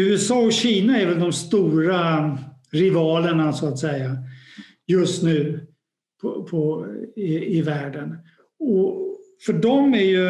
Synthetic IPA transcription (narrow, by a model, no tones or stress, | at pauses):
ʉ̟ːɛsɑːɔɕiːnaɛɾvɛld̪ɔmst̪uːɾa | ɾɪvɑːləɳasɔat̪sɛjːa | jɵst̪nʉ̟ː | pʰɔpʰɔɪɪvæːɖən | ɔfœɖɔmæɾjɵ